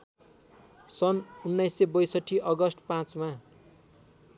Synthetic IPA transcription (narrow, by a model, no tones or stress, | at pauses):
sʌnunːʌjsebʌjsʌʈʰːiʔʌɡʌsʈpãt͡sma